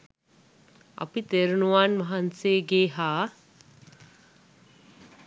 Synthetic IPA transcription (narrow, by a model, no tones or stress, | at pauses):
ɐ̰pit̪eɾunuʋanʋɐɦanseːɡeːɦaː